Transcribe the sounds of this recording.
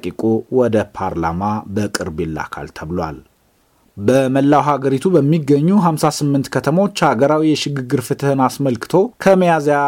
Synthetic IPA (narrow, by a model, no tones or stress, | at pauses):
kʼikʼowɔd̪əpʰaɾla̰mabəkʼɨɾbelːa̰kʰa̰lt̪ʰəβɨlwa̰l | bəməlːawɦaɡəɾit̪ʰubəmːiɡːəɲːuɦamsasɨmːɨnt̪kʰət̪ʰəmo̞t͡ʃːhaɡəɾawijɛʃɪɡɨɡːɨɾfɨt̪ʰhɨnasməlkɨ̥t̪ʰo̞kʰəməjazja